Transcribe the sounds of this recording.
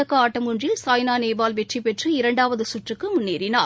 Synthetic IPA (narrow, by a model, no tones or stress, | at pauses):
ɐkːɐaːʈːɐmʊndrisaːjnaːneːbaːlʋɛʈripɛʈrɯɪɾɐɳɖaːʋɐðɯsʊʈrɯkːɯmʊnːeːɾɪnaː